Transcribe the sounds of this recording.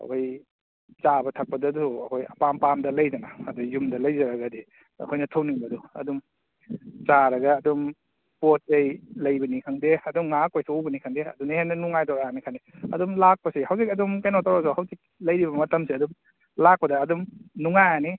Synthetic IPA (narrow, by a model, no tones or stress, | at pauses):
ɐ̰kʰoj | t͡ʃabɐtʰɐk̚pɐdɐduɐkʰojɐpampamdɐlɐjzɐnaːdujumdɐlɐjzɐɾɐɡɐdi | ɐ̰kʰojnɐtʰɐwniŋbɐduɐ̰dum | t͡ʃaɾɐɡɐːdum | pot̚ːejlɐjbɐnikʰaŋdeɐdumŋakojsʰiobɐnikʰaŋdeɐ̰dunɐhenɐnuŋajtɔɾaanikʰandeɐ̰dumlak̚pɐsihawzik̚ɐdumkejnotaɾasahawzik̚lɐjɾiβɐmɐtɐmsiɐdum | lak̚pɐdɐːdumnuŋajani